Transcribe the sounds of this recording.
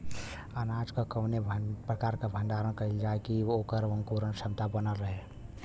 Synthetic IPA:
ənaːd͡ʒkakəwnepɾəkaːɾkabʱə̃nd̪aːɾənkəild͡ʒaːekioːkəɾʋəŋkuɾənʃəbt̪abənəlɾəɦe

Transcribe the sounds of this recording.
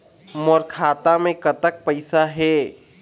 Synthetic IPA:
mɔɾkʰaːt̪amẽkət̪ək̚pəɪsaɦɛ

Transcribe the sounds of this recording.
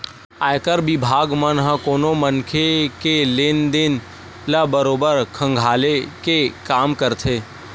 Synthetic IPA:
aːjkəɾbɪbʱaːɡmənɦə̃koːnomənkʰekeleːnd̪ɪn | ləbəɾoːbəɾkʰə̃ŋɡʱaːlekekaːmkəɾt̪ʰeː

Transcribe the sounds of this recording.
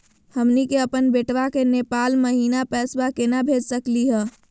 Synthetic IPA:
həmnikeəpənbeːʈʋakenepaːlməɦiːnapɛːsbakenabʱed͡ʒsəkliɦɛ̃ː

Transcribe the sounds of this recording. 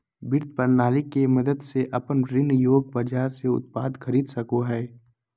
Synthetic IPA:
bɪɾt̪̚pəɾnaːlikemɐd̪əd̪seʔɐpənɾɪnjoːɡ̚baːd͡ʒaːɾseʊ̰t̪̚paːd̪xʰɐɾiːd̪sɐkoɦɛː

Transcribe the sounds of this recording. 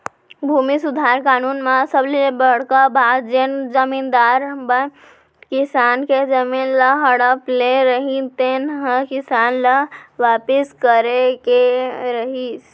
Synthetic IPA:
bʱumisud̪ʱaɾkaːnunmasəbliebəɽ̤kabad̪̚d͡ʒend͡ʒəmind̪aɾbə | kisanked͡ʒəminləɦəɽəpleɾəɦĩt̪enɦə̃kisanləʋapiskəɾekeɾəɦis

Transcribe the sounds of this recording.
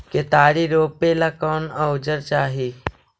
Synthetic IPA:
ket̪aːɾiɾoːpelaːkɔːnəʊd͡ʒəɾt͡ʃaːɦiː

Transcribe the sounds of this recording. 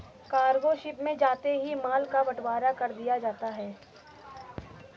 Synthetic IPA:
kaːɾɡoʃɪpmẽd͡ʒaːt̪eɦimaːlkabɐʈwaːɾakɐɾd̪ijad͡ʒaːt̪aɦɛː

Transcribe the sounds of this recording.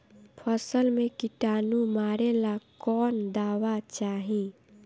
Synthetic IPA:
pʰəsəlmẽkɪʈaːnumaːɾelakɔːnd̪aːwat͡ʃaːɦĩ

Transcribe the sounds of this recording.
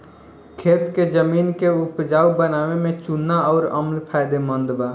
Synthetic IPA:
kʰeːt̪ked͡ʒəminkeupd͡ʒaːubənaʋemẽt͡ʃunːaɔʊɾə̰mlpʰajd̪emənd̪ba

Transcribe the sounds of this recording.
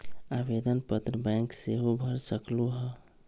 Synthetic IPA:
abed̪ənpət̪ɾəbajkseɦobʱəɾsəkluɦə

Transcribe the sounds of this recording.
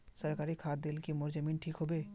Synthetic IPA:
səɾkaːɾikʰaːt̪̚d̪ɪlkimʊɾd͡ʒəmiːnʈʰiːkɦobeː

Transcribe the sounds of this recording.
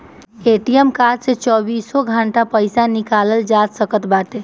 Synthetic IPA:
eʈijəmkaɾset͡ʃɔbisoɡʱaɳʈapəjsanikaləld͡ʒad̪səkət̪bat̪e

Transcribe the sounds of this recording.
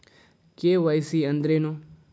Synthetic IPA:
keʋəjsiə̃nd̪ɾenũ

